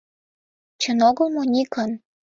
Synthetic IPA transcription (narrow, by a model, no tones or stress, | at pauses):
t͡ɕə̆noɣə̆lmonʲikən